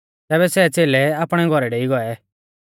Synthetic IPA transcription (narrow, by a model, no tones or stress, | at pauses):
t̪ɛːβɛsɛt͡seːlɛaːpɽ̃ɛɡʱɔɾɛɖeːiɡɔɛ